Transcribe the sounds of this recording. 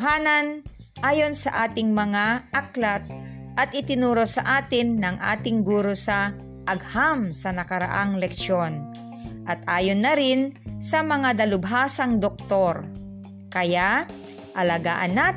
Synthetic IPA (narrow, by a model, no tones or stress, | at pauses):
ɦaːnɐn | ʔaːjonsɐʔaːt̪ɪŋmɐŋaʔɐklat̪̚ʔɐt̪̚ʔɪt̪ɪnuːɾosɐ̰ʔaːt̪ɪnːɐŋʔa̰ːt̪ɪŋɡuːɾosɐ | ʔɐɡ̚hamsɐnɐkɐɾa̰ʔaŋlɛkʃon | ʔɐt̪ʔaːjonːɐɾɪnsɐmɐŋad̪ɐlʊbɦaːsɐŋd̪ok̚t̪oɾ | kɐjaʔ | ʔɐlɐaɡaːʔɐnːa